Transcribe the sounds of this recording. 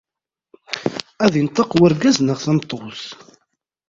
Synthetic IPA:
æðint̪ˤːɑqwəɾɡæznəʁθænt̪ˤːoθ

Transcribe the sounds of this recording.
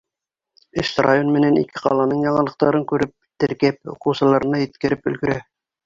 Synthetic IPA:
ɘʃt̪ra̰jonmɘ̆nænḭkɘqɑ̰lˠɑnɤɴjɑɴɑlˠɤ̆q̚t̪ɑɾɤŋkʉɾɘp̚t̪ɘ̆ɾkæp̚ṵqŭwsɤ̆lˠɑɾɤ̆nɑjɘ̆t̪̚kɘ̆ɾɘpɵ̰̆lɡɵ̆ɾæ

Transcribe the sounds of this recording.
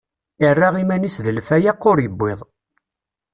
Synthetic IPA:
ɪrːaʁimænisðəlfæjæqːʊɾjəbːɪðˤ

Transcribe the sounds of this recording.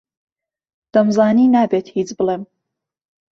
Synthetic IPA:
d̪̥ɐmzɑːniːnaːbeːt̪ʰhiːt͡sbɨlem

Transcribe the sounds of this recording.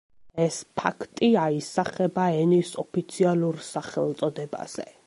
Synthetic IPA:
ɛspʰa̰kʰt̪ʼiaisaχɛbaɛnisɔpʰit̪sʰialˠuɾsaχɛlˠt̪sʼɔd̪ɛba̰z̥ɛ̰

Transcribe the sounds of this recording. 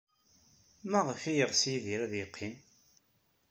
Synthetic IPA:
mæʁəfijəʁsjiðiɾæðjəqʰːim

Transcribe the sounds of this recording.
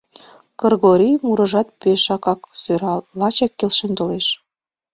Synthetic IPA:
kərɣoɾʲijmuɾə̆ʒɑt̪̚peʃɑkɑksøɾɑlɑt͡ɕɑkːelʃent̪oleʃ

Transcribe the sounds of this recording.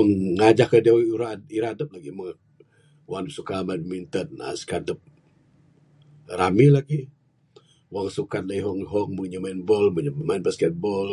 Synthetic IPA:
əŋːad͡ʒahkadiaɾaiɾadəp̚laɡimə | wandəp̚sukamanmint̪əna̰sə̥kadəp̚ | ɾamilaɡi | waŋsukat̪̚laiɦɔŋɦɔŋməŋɲəmanbɔlməɲmanbaskɛt̪̚bɔl

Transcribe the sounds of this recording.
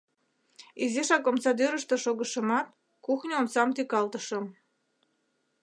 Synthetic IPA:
izeʃɑkomsɑd̪øɾəʃt̪ə̆ʃoɣəʃə̆mɑt̪̚ | kuxnʲəomsɑmt̪ykɑlt̪əʃə̆m

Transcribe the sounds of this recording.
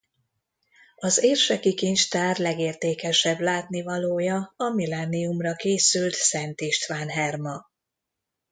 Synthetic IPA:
ɒzeːrʃɛkikint͡ʃt̪aːrlɛɡeːrt̪eːkɛʃɛblaːt̪nivɒloːjɒɒmilɛnːiumrɒkeːsylt̪sɛnt̪iʃt̪ʋaːnɦɛrmɒ

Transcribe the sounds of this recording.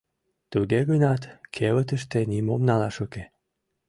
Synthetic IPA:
t̪uɣeɣənɑt̪kʰeβət̪əʃt̪enimomnɑlɑʃuke

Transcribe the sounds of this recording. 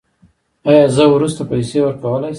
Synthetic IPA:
ɑjɑzəwɾust̪apajsewəɾkawəlaj

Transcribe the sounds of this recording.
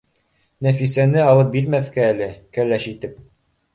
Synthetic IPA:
næfisænɘɑlˠɤp̚biɾmæθkæːlɘkælæʃit̪ɘp̚

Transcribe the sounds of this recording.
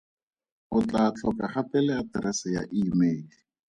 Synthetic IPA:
ʊt͡ɬat͡ɬʰɔkʼaχapʼɛlɛadrɛsaja̰ʔimeːli

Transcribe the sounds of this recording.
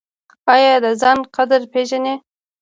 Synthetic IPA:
ɑjɑd̪əzɑnqad̪əɾpeʒane

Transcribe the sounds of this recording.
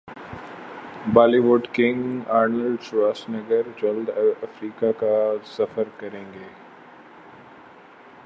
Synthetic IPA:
baːliʋʊɖkɪ̃ŋɡaːɾnəlɖsɾaːsnɐɡəɾd͡ʒɐld̪ɐfɾiːkakasɐfəɾkɐɾẽːŋɡeː

